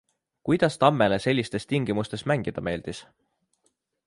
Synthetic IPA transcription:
kujd̪̥ɑst̪ɑmːe̞lese̞lʲːist̪e̞st̪iŋɡ̥imust̪e̞smæŋɡ̥id̪̥ɑme̞ːld̪̥is

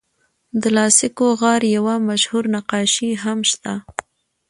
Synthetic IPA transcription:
d̪əlɑsɪkoɣɑɾjawamaʃhuɾnaqɑʃiɦamʃt̪a

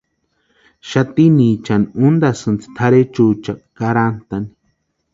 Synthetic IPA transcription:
ʃat̪inĩt͡ʃaniũnd̪asɨnt͡si̥t̪ʰaɾet͡ʃut͡ʃakaɾant̪ani

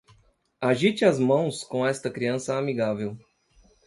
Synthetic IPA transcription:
aʒit͡ʃɪazmɐ̃w̃skõɛst̪ɐkɾiɐ̃sɐamiɡavew

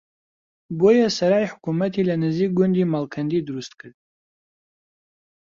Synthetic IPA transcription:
bojasaɾaiħukʰumatʰilanɨziɡʷʊndimalkʰandidruʊstʰkʰʼɨtʼ

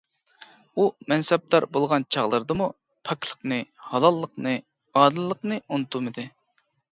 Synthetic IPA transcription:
umɛnsɛb̚d̪ɑɾbolˠʁɑnt͡ʃʰɑʁlˠəɾd̪ɨmu | pʰɑklˠə̥qnɨhɑlˠɑlˠːəqnɨ | ɑːd̪ɨlˠːəqnɨunɨt̪ʰumɨd̪ɨ

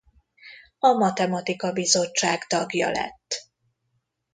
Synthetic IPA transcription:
ɒmɒt̪ɛmɒt̪ikɒbizo̞t͡ʃt͡ʃːaːɡt̪ɒɡjɒ̰lɛ̰t̪ː

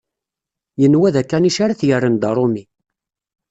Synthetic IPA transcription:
jənwæðækːæniʃaɾaθjərːənd̪ɑɾˤomi

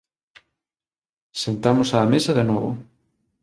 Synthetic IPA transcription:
sent̪amʊsaːmesɐðenɔβʊ̰

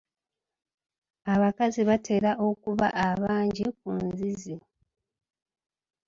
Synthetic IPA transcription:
aβakaziβatʰe̞ːɾaʔo̞kuβaʔːβaːɲɟik̚unzizi

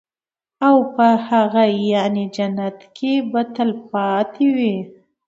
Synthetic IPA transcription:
awpəhaɣajɑned͡ʒanat̪kʰebat̪alpɑt̪ʰewi

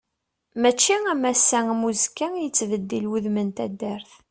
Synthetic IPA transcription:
mæt͡ʃːiæmæsːæŋmuzkːæjət͡sːvəd̪ːilwuðmənt̪æ̰d̪ːæɾθ

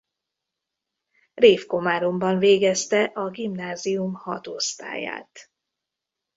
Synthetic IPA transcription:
reːfko̞maːɾombɒɱveːɡɛst̪ɛʔɒɡimnaːzijumhɒt̪ost̪a̰ːja̰ːt̪

